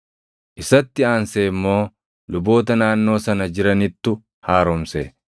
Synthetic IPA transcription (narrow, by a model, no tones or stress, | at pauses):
ʔɪsɐt̪ːɪaːnseːmːo̞ː | lʊbo̞ːt̪̬ɐnaːnːo̞ːsɐnɐd͡ʒɪɾɐnɪt̪ːʊ | haːɾɔmsḛ